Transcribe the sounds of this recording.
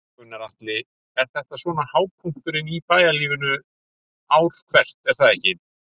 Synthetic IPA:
ʏnːaɾaht̪lɪ | ɛɾ̥θɛht̪asvɔːnahaːwpʰuŋ̥t̪ʏɾɪnipaːjaliːvʏnʏ | awɾ̥kʰvɛr̥t̪ɛɾ̥θaðɛhcɪ

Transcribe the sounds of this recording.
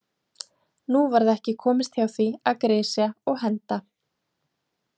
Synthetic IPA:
nuvaɾðɛhcɪkʰɔːmɪst̪hjawθviaðkɾeːsjaɔɣɦɛnt̪a

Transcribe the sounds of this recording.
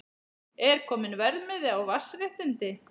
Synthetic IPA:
ɛɾ̥kʰɔːmɪnvɛɾðmɛðɪawvasːɾɪht̪ɪnt̪ɪ

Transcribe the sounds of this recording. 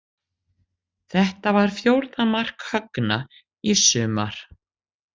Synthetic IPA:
θɛht̪avaɾ̥fjowɾðamar̥khœkna | isʏːma̰ɾ̥

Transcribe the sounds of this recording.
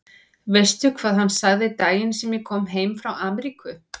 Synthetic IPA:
vejst̪jʏkʰvaːðhanːsaɣðɪt̪aːjɪnsɛmjɛkʰɔːmɦeːjmfɾawaːmɛɾikʏ

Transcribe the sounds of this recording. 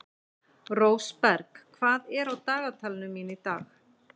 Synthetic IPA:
roːwspɛɾkkʰv̥aːðɛɾawt̪aːɣat̪ʰalɪnʏmːiːnɪt̪a̰ːx

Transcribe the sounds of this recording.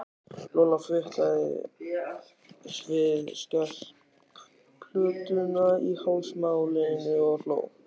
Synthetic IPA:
lɔlafɪht̪aɪ̰ | vɪðscar | pʰl̥ʏːt̪ʏnaihaːwsmawnɛnʏɔlo̰ːw

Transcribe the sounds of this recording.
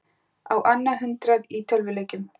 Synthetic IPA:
awʔanːaɦʏnt̪ɾaðiːt̪ʰœlvɪleːcʏm

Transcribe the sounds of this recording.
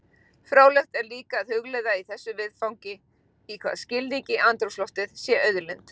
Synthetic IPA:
fɾoːwlɛxt̪ɛɾliːkaːðhʏɣlɛðaiθɛsːʏvɪðfawŋcɪ | ikʰva̰ðscɪlniɲcɪʔant̪ɾowslɔht̪ɪð̥sjɛʔœɥðʏlɪnt̪

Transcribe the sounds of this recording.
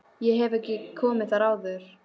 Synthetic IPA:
jɛɦɛvɛhcɪkʰɔːmɪθaɾaːwðʏɾ̥

